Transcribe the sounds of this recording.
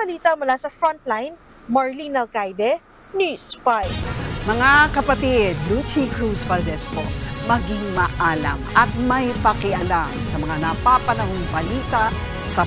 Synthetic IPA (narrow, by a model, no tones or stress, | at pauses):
ɐliːt̪ɐmʊlasɐfɹont̪lajn | mɐɹlinɐlkajd̪ɛ | njusfajbmɐŋakɐpɐt̪id̪lut͡ʃikɹusfɐld̪ɛsko̰mɐɡiŋmɐʔaːlɐ̰mʔɐt̪̚mɐjpɐkɪʔɐlamsɐmɐŋanɐpapɐnɐhoŋbɐliːt̪ɐ | sɐ